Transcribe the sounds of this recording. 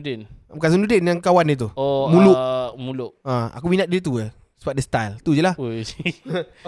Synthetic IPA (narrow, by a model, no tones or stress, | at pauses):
denkas̬ənudenjaŋkawanit̪̬uomũluʔmulʊʔãa̰kuminãt̪̚diɾit̪̬uə | səbap̚dəst̪ajlt̪ud͡ʒəlah